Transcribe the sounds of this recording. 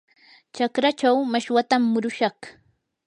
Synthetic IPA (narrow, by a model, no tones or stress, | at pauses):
t͡ʃakɾat͡ʃawmaʃwat̪amːʊɾʊʃɑχ